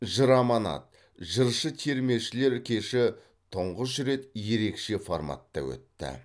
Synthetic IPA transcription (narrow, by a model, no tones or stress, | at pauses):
ʒəɾɑmɑnɑ̰t̪̚ | ʒəɾʃət̪ʰe̞ɾme̞wʃɪle̞ɾkʲʰe̞ʃɪ | t̪ʰʊɴʁəs̬ɾe̞t̪je̞ɾe̞kʃe̞formɑ̰t̪ːɑ̰wɵ̰t̪ːɪ̰